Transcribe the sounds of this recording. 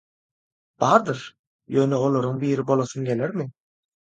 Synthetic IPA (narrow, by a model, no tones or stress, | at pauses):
b̥ɑːɾd̪ɯɾ | jøːneo̞lˠoɾuŋbiːɾibo̞lˠoθɯnɡe̞leɾmi